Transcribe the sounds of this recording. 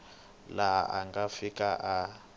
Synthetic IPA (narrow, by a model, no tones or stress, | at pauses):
laʔa̰ŋɡafikʼaʔa